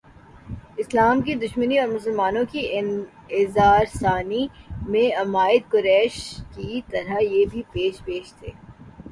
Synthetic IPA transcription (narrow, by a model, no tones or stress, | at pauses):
ɪslaːmkid̪ʊʃməniɔːɾmʊs̬əlmaːnõkiɪn | ɪzaːɾsaːnimẽɐmaːɪd̪̚kʊɾɛːʃkit̪ɐɾajebʱipeːʃpeːʃt̪ʰḛː